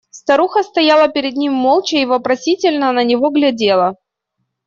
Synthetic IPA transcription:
st̪ɐɾuxəst̪ɐjalˠəpʲɪɾʲɪd̪nʲimːo̞lˠt͡ɕəivəpɾɐsʲitʲɪlʲnənənʲɪvo̞ɡlʲɐdʲe̞lˠə

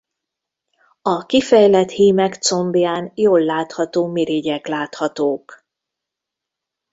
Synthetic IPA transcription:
ɒkifɛjlɛt̪hiːmɛkt̪so̞mbijaːnjoːlːaːt̪hɒt̪oːmeɾeɟɛklaːt̪hɒt̪oːk

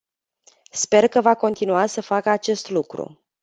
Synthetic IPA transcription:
spe̞rkəvako̞nt̪inuasəfakəat͡ʃe̞st̪lukɾṵ

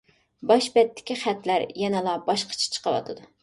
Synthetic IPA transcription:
bɑʃbɛt̪ːɪ̥kʲiχæt̪læɾjɛnɨlˠɑbɑʃqʰɑ̥t͡ʃʰɛ̥t͡ʃʰə̥qʰəwɑ̰t̪ʰɨd̪u

